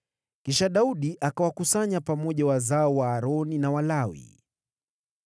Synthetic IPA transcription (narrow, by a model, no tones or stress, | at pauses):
kiʃaɗauɗiʔakawakusaɲapamɔʄawazaɔwaːɾɔninawalawḭ